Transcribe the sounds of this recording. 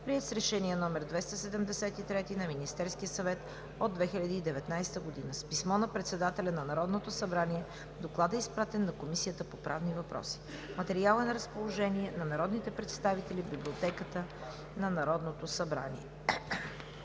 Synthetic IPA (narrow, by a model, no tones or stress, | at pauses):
pɾiɛt̪sɾɛʃɛnijɛnɔmɛɾd̪vɛst̪əsɛd̪əmd̪ɛsɛt̪it̪ɾɛt̪inɐminist̪ɛɾskijəsɐvɛt̪ | od̪ːvɛxilʲɐd̪iːd̪ɛvɛt̪najst̪əɡod̪inəspismɔnɐpɾɛt̪sɛd̪at̪ɛlʲɐnɐnɐɾɔd̪not̪osɐbɾaniɛ | d̪oklˠad̪ɛispɾat̪ɛnːɐkomisijət̪əpopɾʔa̰vnivɐpɾɔ̰si̥mɐt̪ɛɾialˠɛnɐɾəspolˠoʒɛniɛnɐnɐɾɔd̪nit̪ɛpɾɛt̪st̪avit̪ɛlibiblʲiot̪ɛkət̪ə | nɐnɐɾɔd̪not̪osɐbɾa̰nḭɛ